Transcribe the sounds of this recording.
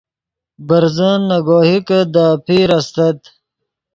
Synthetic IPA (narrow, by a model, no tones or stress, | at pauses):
bɐɾzənːɐɡoːɦikəd̪aːpʰiɾɐst̪ɐt̪